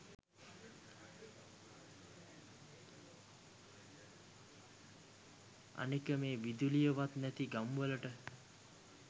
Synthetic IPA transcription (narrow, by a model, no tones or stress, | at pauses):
a̰nekəmeːʋid̪ulijəʋat̪næt̪iɡamʋələʈə